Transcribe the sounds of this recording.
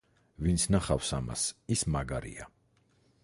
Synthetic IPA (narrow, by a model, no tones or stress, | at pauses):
vint̪sʰnaχafsama̰sismaɡaɾḭa̰